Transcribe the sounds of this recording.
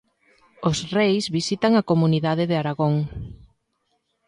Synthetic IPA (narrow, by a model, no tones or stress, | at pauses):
osrejsβisit̪aŋakomuniðaðɪðeaɾaɣoŋ